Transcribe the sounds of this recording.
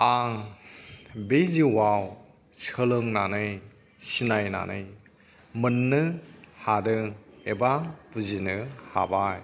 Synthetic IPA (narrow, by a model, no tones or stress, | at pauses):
aŋ | beziwaw | səlɯŋnanɯj | sinajna̰nʔɯ̰j | mɯnːɯhadɯŋebabuzinɯha̰baj